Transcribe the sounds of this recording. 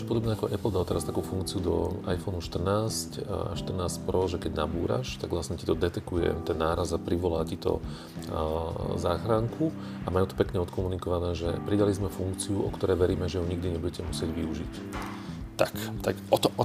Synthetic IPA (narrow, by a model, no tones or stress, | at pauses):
t͡ʃɔpɔd̪ɔbnɛakɔʔɛpl̩d̪alɔt̪ɛɾast̪akuːfuŋkt͡siud̪ɔ̰ajfɔnuʃt̪r̩naːsca̰ʃt̪r̩naːscpɾɔʒɛkɛɟnabuːɾa̰ʃt̪aɡʋlasɲɛci̥t̪ɔd̪ɛt̪ɛkujɛ̰t̪ɛnːaːɾazapɾiʋɔlaːcit̪ɔ̰ | zaːxɾaŋkʰu | amajut̪ɔ̥pɛkɲɛɔt̪kɔmunikɔʋanɛːʒɛpɾid̪alizmɛfuŋkt͡siuʔɔ̰kt̪ɔɾɛːʋɛɾiːmɛʒɛɦɔɲiɡ̚d̪iɲɛbuɟɛcɛmusɪɛɟʋiuʒḭc | t̪akt̪akɔt̪ɔ